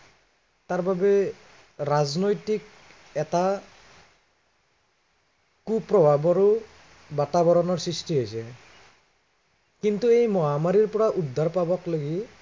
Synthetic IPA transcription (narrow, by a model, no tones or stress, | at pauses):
taɹbabɛ | ɹaznojtik̚ | ɛta | kupːɹɔbʱabɔɹu | batabɔɹɔnɔɹsɹistiɦojsɛ | kint̪uejmɔɦamaɹiɹpɔɹaʔud̪ʱːaɹpabɔkloɡi